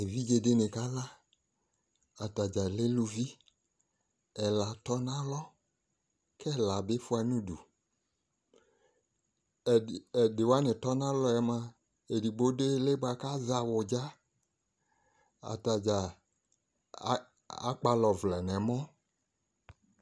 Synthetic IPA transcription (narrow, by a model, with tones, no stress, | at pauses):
e˨vi˦d͡ʒe˨de˦nẽ˨ka˦la˦ | a˨ta˨d͡ʒa˨le˦lu˦vi˦ | ɛ˨la˨t̪ɔ˦nã˦lɔ˦ | kʰɛ˦la˨be˦fu˦a˨nũ˦dṵ˨ | dɪ˨wa˦nɪ˨t̪ɔ˦nã˦lɔ˦ɛ˨mã˦ | e˨di˨ɡ͡bo˦de˦le˦bo˦a˨ka˦za˨wɔ˨d͡ʒa˦ | a̰˨ta˨d͡ʒa˨˦ | a˦k͡pa˦lɔ˨vlɛ˨nɛ˨mɔ̃˦